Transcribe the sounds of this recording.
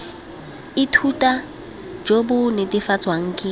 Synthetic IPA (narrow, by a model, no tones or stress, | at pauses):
ɪtʰutʼa | d͡ʒobʊnɪdɪfat͡sʼwaŋ̩ːkʼɪ